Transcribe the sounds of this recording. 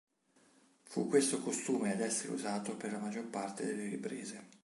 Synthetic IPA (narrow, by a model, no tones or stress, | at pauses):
fṵkːwest̪okost̪uːmead̪ɛsːeɾḛṵzaːt̪operlamad͡ʒːorpart̪ed̪elːeɾipɾeːze